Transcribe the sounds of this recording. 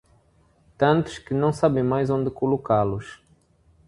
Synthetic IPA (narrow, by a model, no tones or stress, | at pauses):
t̪ɐ̃nt̪ʊ̥ʃkɪnɐ̃w̃sabẽj̃majzõnd̪ɪkolokalʊʃ